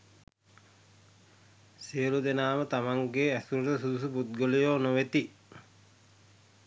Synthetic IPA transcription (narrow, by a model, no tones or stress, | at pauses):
siəlud̪enaːmət̪amaŋɡeæsuɾuʈ̪əsud̪usuput̪̚ɡolijoːnoʋet̪i